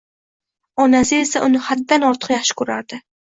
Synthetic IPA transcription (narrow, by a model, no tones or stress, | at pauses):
ɒnasɪe̞saʔʊnɪhad̪ːanɒɾt̪ʰɨ̥qjaχʃɪ̥kʰɵɾaɾd̪ɪ